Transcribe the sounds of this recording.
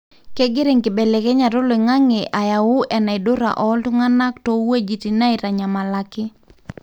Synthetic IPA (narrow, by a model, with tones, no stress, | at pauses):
ke˦ɡɪ˦ɾe˨ŋkɪ˨be˨le˨kɛ˦ɲa˨ɾo˦lo˨i˨ŋa˦ŋe˨ʔa˨ja˨wʊ˦ʔɛ˨na˨ɪ˨dʊ˦ɾa̰˨ʔɔ˦ltʊ˦ŋa˦na˦ktɔ˨we˦d͡ʒi˨ti˨na˦ɪ˨ɾa˨ɲa˨ma˨la˨kɪ˦